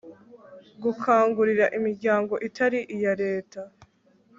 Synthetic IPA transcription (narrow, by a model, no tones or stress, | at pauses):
ɡukʰaːŋɡuɾiɾaʔimiɾɟaːŋɡo̞ʔitʰaɾiʔijaɾe̞ːta